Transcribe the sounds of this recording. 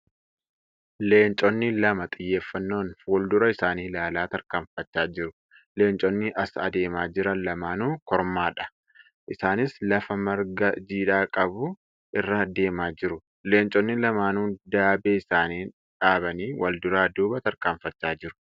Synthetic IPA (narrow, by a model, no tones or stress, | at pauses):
le̞ːnt͡ʃʼɔnːɪlɐmɐt̪ʼɪjːe̞ːfːɐnːo̞ːnfuːld̪ʊɾɐɪsaːniːlaːlaːt̪ɐɾkaːɱfɐt͡ʃːaːd͡ʒɪɾʊ | le̞ːnt͡ʃʼɔnːɪʔɐsɐ̰d̪e̞ːmaːd͡ʒɪɾɐnlɐmaːnuːkɔɾmaːᶑɐ̥ | ʔɪsaːnɪslɐfɐmɐɾɡɐd͡ʒiːᶑaːkʼɐbʊ | ʔɪrːɐd̪e̞ːmaːd͡ʒɪɾʊ | le̞ːnt͡ʃʼɔnːɪlɐmaːnuːnd̪aːbeːɪsaːniːn | ᶑaːbɐniːwʔɐld̪ʊɾaːd̪uːbɐt̪ɐɾkaːɱfɐt͡ʃːaːd͡ʒɪɾʊ̥